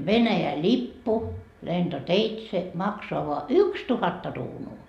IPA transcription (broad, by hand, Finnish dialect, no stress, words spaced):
ʋenæjæ lʲipːu lentoteitse mɑksoɑ ʋoɑ ykstuhɑtːɑ ruːnuː